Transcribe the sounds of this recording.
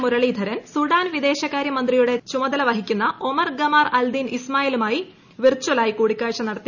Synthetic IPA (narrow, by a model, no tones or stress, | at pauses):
muɾɐɭiːd̪ʱɐɾɐnsuɽaːnʋid̪e̞ːɕɐkːaːɾjɐmɐnd̪rijuɽe̞t͡ɕumɐd̪ɐlɐʋɐɦikʲːunːɐʔomɐrɡɐmaːrɐld̪inismaːjilumaːji | ʋirt͡ɕːuʋɐlaːjikuːɽikʲːaːɻʂɐnːɐɽɐt̪ːi